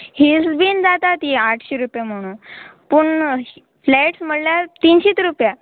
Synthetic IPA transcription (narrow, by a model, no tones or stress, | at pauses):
hisbind͡zat̪at̪iaʈʰɕeɾupjem̤əɽ̃ũːnpuɳ | flɛʈsm̤əɽljaɾt̪inɕiːt̪ɾupja